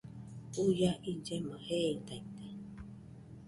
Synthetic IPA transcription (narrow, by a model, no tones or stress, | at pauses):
ujaʔind͡ʒemãheit̪ait̪ḁ